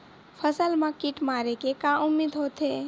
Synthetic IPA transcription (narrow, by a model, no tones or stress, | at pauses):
pʰəsəlmãkiʈmaːɾekekãʊmːiːd̪ʱɦoːt̪eː